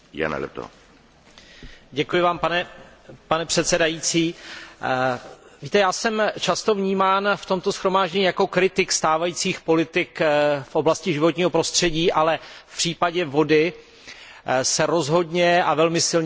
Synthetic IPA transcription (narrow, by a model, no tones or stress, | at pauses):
ja̰nɛ̰lɛ̰pt̪o̰ | ɟɛkujɪvaːmpanɛ | panɛpr̝̥ɛt̪sɛdajit͡siː | viːt̪ɛjaːsɛmt͡ʃast̪o̞vɲiːmaːnft̪o̞mt̪o̞sxɾomaːʒɟɛɲiːjako̞kɾɪt̪ɪkst̪aːvajiːt͡siːxpo̞lɪt̪ɪkfʔo̞blascɪʒɪvo̞t̪ɲiːɦo̞pɾo̞st̪r̝̥ɛɟiːʔalɛfpr̝̥iːpaɟɛvo̞dɪ | sɛɾo̞zɦo̞dɲɛavɛlmɪsɪlɲ